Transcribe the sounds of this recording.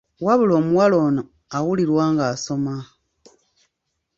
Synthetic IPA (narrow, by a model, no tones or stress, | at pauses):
waβulo̞ːmuwalo̞ːno | awuliɾwaːŋɡaːso̞ma